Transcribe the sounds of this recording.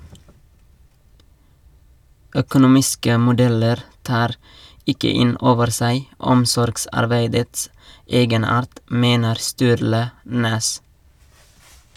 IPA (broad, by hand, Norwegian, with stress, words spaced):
œkʊnʊˈmɪskə mʊˈdɛləɾ ˈtɑːɾ ˈɪkə ˈɪn ˈoːʋəɾ ˈsæɪ ˈɔmsɔɾɡsɑɾˌbeɪdəts ˈeːɡəˌnɑːɾt ˈmeːnəɾ ˈstʉːɾlə ˈnɛs